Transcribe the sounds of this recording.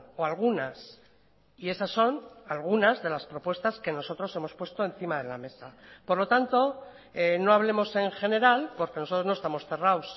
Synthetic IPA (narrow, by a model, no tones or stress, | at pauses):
oalɣ̞unas | ie̞sasːo̞nalɣ̞unazðe̞laspɾo̞pwe̞st̪aske̞no̞so̞t̪ɾo̞se̞mo̞spwe̞st̪o̞ẽ̞n̟θimaðe̞la̰me̞sapo̞ɾlo̞t̪ant̪o̞ | eno̞aβle̞mo̞se̞ŋxe̞ne̞ɾalpo̞ɾke̞noso̞t̪ɾoznoest̪amo̞sθe̞raws